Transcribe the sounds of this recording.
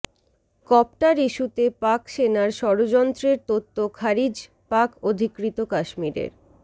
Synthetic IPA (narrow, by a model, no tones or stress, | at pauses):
kɔp̚ʈaɾiʃut̪epakʃenaɾʃɔɾod͡ʑɔnt̪ɾeɾt̪ot̪ːokʰaɾid͡ʑ | pakod̪ʱikɾit̪okaʃmiɾḛɾ